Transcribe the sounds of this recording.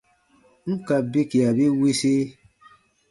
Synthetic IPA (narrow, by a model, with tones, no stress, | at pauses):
ŋ̩˦ka˨be˦ki˨a˨be˦we˦se˦